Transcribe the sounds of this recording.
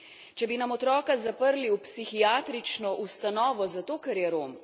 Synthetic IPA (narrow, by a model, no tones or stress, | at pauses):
t͡ʃɛbinamɔt̪ɾɔːkazapəɾliwpsixiaːt̪ɾit͡ʃnɔʔust̪anɔːʋɔzat̪oːkɛɾjɛɾoːm